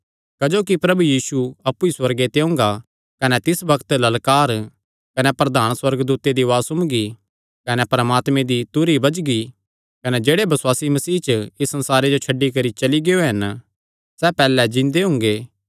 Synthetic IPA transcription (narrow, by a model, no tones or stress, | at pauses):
kɐd͡ʒoːkipɾɐbujiːsuɐpːuiswɐɾɡet̪eʊ̃ːŋɡa | kɐnɛt̪ɪsbɐkʰt̪lɐlkaːɾ | kɐnɛpɾɐd̪aːnswɐɾɡd̪uːt̪ed̪iʋaːsʊmɡi | kɐnɛpɐɾəmaːt̪mẽd̪it̪ʊɾibɐd͡ʒɡi | kɐnɛd͡ʒeːɽebɐswaːsimɐsiːt͡ʃɪsːɐ̃nsaːɾed͡ʒot͡ʃʰɐɖːikɐɾit͡ʃɐliɡeːoɦɐn | sɛpɛːlɛd͡ʒɪ̃nd̪eɦʊ̃ːŋ̆ɡeː